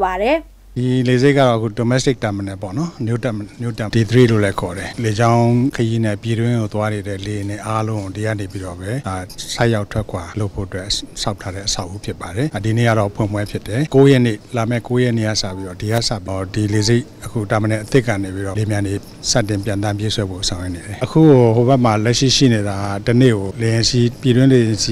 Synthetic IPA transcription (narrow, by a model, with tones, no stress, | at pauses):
ba˨ɾɛ˨ | d̥i˨le˨ze˦kːa̰˦˨ɔ˨ʔkʰṵ˦˨do˨mɛ˦stɪ˦k̚tã˨mə˨nɛ̃˨pɔ̰˦˨nɔ˦mjo˦tjo̰˦˨tã˦˨di˨d̪əɾḭ˦˨lo̰˦˨lɛ˦kʰɔ˨ɾɛ˨le˨d͡ʑã˦ʊ̃kʰəji˦nɛ˦˨pji˨dwɪ̃˦ŋo˨t̪wa˦ne˨ɾɛ̰˦˨le˨nɪ˨ʔa˦lõ˦˨di˨ɡa̰˦˨ne˨pi˦ɾɔ˦˨bɛ˦a˨sã˦ja˦ʊtʰwɛ˦kʰwa˨lo˦ʊpʰo̰˦ʔətwɛ˦ʔsʰa˦ʊtʰa˦ɾɛ̰˦ʔəsʰa˦ʊʔu˦pʰjɪ˦˨pːa˨ɾɛ˨a˨di˨nḛ˦˨ɡa˦˨ɔ˦˨pʰwɪ̰̃˦˨mwɛ˦pʰjɪ˦tːɛ˨ko˦jɛ˦˨nḛ˦˨la˨mɛ̰˦˨ko˦jɛ˦˨nḛ˦˨ɡa̰˦˨sä̰˦˨pi˦ɾɔ˦˨di˨ɡa̰˦˨sa̰˦˨pi˨di˨le˨ze˦ɪʔ | əkʰṵ˦˨ta˨mə˨nɛ̃˨ʔət̪ɪ˦ʔkːä̰˦˨ne˨pi˦ɾɔ˦˨le˨mjã˨ne˨ | sa̰˦˨tːɪ̃˨mp̬jã˨nt̪ã˦mpje˦sʰwɛ˦bo̰˦˨sʰã˨ʊjɛ˦ʔne˨ɾɛ˨ʔəkʰṵ˦˨o˨ho˨bɛ˦ʔm̥a˨lɛ˦ʔʃḭ˦˨ʃḭ˦˨ne˨ɾa˨a˦˨tənḛ˦˨ɡo˨le˨jɪ̃˨si˦pji˨dwɪ̃˦le˨jɪ̃˨si˦